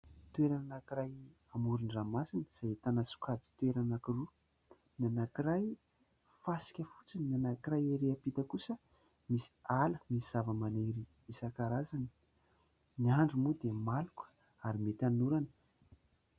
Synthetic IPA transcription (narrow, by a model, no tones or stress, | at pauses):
t̪uweɾananakiraj | amuɾiɳɖ͡ʐamasinəz̥ajt̪anasu̥kad͡zi̥t̪ueɾanakiru | nanakiɾaj | fasi̥kʲəfu̥t͡sininanakiɾajeɾeapit̪əkusə | misi̥aləmisiz̥avəmaneɾi | isakaɾazani̥ | niaɳɖ͡ʐumud̪emalukə̥ | aɾimet̪anuɾanə̥